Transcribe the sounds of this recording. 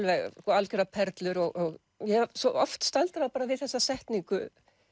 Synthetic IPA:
lvɛɣskɔalcʏɾapʰɛɾt̪lʏɾɔɣʔɔɣ | jɛsɔʔɔft̪st̪alt̪aɾðapaːɾavɪðθɛsːasɛht̪niŋkʏ

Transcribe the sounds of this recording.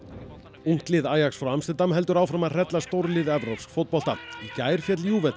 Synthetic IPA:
uŋ̥klɪðaːjaksfɾamt̪ɛnt̪amɦɛl̪t̪ʏɾaːwfɾamar̥ɛt̪last̪owɾlɪðɛvɾawfskfowt̪̚pɔl̥t̪aicaːjɾ̥fjɛt̪ljuːvɛt̪

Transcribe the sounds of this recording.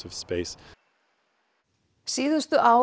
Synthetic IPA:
ɔv̥speɪs | siːðʏst̪ʏʔa

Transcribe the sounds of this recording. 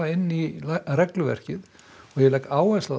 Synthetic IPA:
aɪnːirɛklʏvɛ̰r̥cɪð | ɔɣjɛlɛjkaːwɛsa

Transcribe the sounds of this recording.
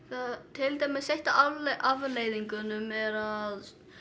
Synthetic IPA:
θat̪ʰɪlt̪aːjmɪðsejht̪aʔavleːjðiŋkʏnʏmɛɾað

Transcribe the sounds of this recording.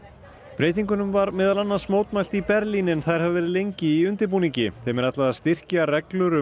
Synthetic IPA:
pɾeːjt̪̬iŋkʏnʏmvaɾmɪːðalanːansmoːwt̪majlt̪ipɛɾlinɛnθajɾ̥havɪvɛːɾɪðlejɲcɪiʏnt̪ɪɾp̬uːniŋcɪθɛːmɛɾat̪laðaðst̪ɪr̥carɛklʏɾʏ

